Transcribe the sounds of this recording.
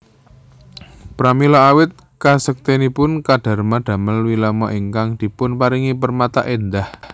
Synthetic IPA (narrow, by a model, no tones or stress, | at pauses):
pɾamilɔawɪt̪̚ | kasək̚t̪enipʊnkaɖ̥a̤rmaɖ̪̥a̤məlwilamɔʔiŋkaŋd̪̥i̤pʊnpaɾiŋipərmat̪a̰ʔend̪ah